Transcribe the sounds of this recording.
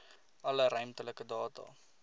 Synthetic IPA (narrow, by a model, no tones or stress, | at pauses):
ʔɐləɾœɥmt̪ələkədɑːtɑ̰ː